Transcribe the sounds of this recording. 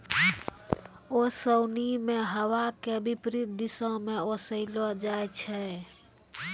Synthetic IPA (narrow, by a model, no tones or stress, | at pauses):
osoʊnimẽɦəwakeəbʱipɾit̪̚d̪isə̃mẽosəɪlod͡ʒajt͡ʃʰɛ